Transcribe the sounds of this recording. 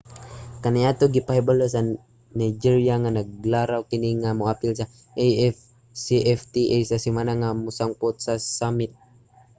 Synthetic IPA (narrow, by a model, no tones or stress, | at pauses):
kaniat̪oɡipaɦɛbaləs̬a | najd͡ʒiɾiaŋanaɡ̚laɾawkiniŋamoapilsa | siʔɛft̪iʔajsasimanaŋamusaŋpɔt̪̚sasamɪt̪̚